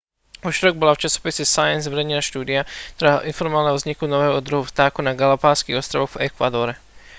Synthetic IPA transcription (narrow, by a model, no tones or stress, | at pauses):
uʒɾɔɡ̚bɔlaft͡ʃasɔ̥pisɛsajɛnzʋɛɾɛɲɛnaʃt̪uːd̪iakt̪ɔɾa̰ːʔinfɔɾmɔʋaːalnɛɦɔvzɲikunɔʋɛːɦɔd̪ɾuɦuft̪aːkunaɡalapaːskiɣɔst̪ɾaʋɔɣvɛkʋa̰d̪ɔɾɛ